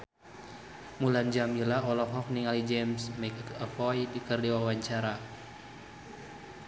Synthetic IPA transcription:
muland͡ʒamilaɔlɔfɔk̚niŋalid͡ʒɛmsmɛkəfɔjdikərdiwawaɲt͡ʃaɾa

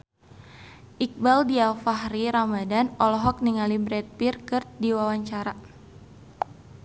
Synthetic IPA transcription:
ʔik̚baldialfaɦriɾamadanɔlɔɦɔk̚niŋalibɾɛt̪̚pirkɨrt̪diwawaɲt͡ʃaɾa

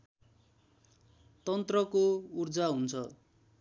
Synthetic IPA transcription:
t̪ʌnt̪rʌkourd͡zaɦunt͡sʰʌ

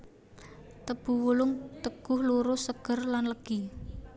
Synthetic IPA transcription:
t̪əb̥ṳwulʊŋt̪əɡ̥ʊ̤hluɾʊsəɡ̥ərlanləɡ̥i

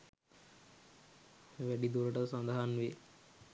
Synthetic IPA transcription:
ʋæɖid̪uɾəʈəsand̪aɦanʋe

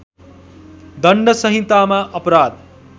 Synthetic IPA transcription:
d̪ʌɳɖʌsʌɦĩt̪amaʔʌpɾad̪

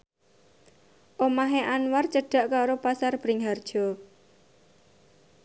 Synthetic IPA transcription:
ʔomaɦeʔanwart͡ʃəɖ̥a̤ʔkaɾopasarb̥ɾɪŋɦard̥ʒ̥ɔ̤

